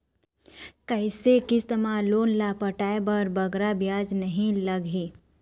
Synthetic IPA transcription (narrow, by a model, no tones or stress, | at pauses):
kɐɪsekɪst̪ɐmaloːnlaːpəʈaːebɐɾbɐɡɾabjaːd͡ʒnɐɦĩlɐɡɦĩː